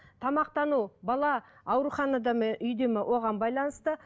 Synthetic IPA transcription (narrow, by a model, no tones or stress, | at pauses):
t̪ʰɑmɑqt̪ɑnubɑlˠɑ | ɑwɾuχɑnɑd̪ɑmenʔʏjd̪emɪwʔo̞ʁɑmbɑjlˠɑnəst̪ə